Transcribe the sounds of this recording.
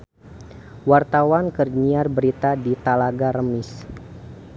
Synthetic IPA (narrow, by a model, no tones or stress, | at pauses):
wart̪awankərɲiarbəɾit̪adit̪alaɡaɾəmɪs